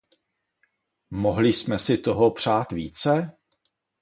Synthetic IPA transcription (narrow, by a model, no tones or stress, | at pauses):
mo̞ɦlɪsmɛsɪt̪o̞ɦopr̝̥aːt̪viːt͡sɛ